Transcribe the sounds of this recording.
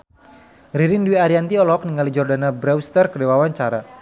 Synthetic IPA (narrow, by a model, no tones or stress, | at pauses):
riɾinduwiaɾiant̪iɔlɔk̚niŋalid͡ʒɔrdanabɾɛwst̪ərkədewawaɲt͡ʃaɾa